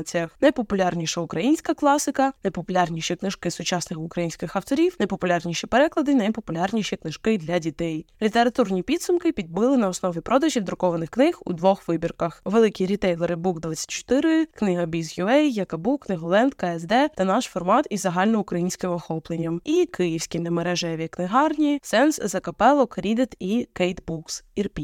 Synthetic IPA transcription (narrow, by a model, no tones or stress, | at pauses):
t͡sʲijɐxnɐjpɔpʊlʲɑrnʲiʃɐʊkɾɐjinʲsʲkɐklˠɑsɪkɐnɐjpɔpʊlʲɑrnʲiʃʲiknɪʒkɪsʊt͡ʃɑsnɪxʊkɾɐjinʲsʲkɪxɐwt̪ɔɾʲiwnɐjpɔpʊlʲɑrnʲiʃipeɾɛklˠɐd̪ɪnɐjpɔpʊlʲɑrnʲiʃʲiknɪʒ̥kɪd̪lʲɐdʲit̪ɛjlʲit̪eɾɐt̪urnʲipʲid̪sʊmkɪpʲid̪̚bɪlˠɪnɐɔsnɔʋʲipɾɔd̪ɐʒʲiwd̪ɾʊkɔʋɐnɪxknɪxṵd̪ʋɔxʋɪbʲirkɐxʋelˠɪkʲiɾʲit̪ɛjlˠeɾɪbukd̪ʋat͡sʲːɐ̥t̚ʲt͡ʃːɔ̥t̪ɪɾɪknɪɦɐbʲizjʊɛjjɐkɐbuknɪɦɔlˠɛnt̪kɐɛzd̪ɛt̪ɐnɑʃfɔrmɑt̪izɐɦɑlʲnɔʊkɾɐjinʲsʲkɪmɔxɔplˠenʲːɐmikɪjiwsʲkʲinemeɾɛʒɛʋʲiknɪɦɑrnʲisɛnszɐkɐpɛlˠɔkɾʲid̪et̪ikɛjt̪buksirpʲi